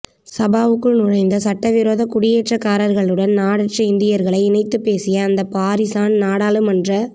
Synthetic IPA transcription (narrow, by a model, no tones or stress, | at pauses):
sɐbaːʋɯkːɯɭnʊɻɐɪnd̪ɐsɐʈːɐʋɪɾoːðɐkʊɽɪjeːʈrɐkːaːɾɐɾɣɐɭɯɽɐnnaːɽɐʈrɐɪnd̪ɪjɐɾɣɐɭɐɪɪnɐɪt̪ːɯpːeːsɪjɐːnd̪ɐpaːɾɪsaːnnaːɽaːlɯmɐndrɐ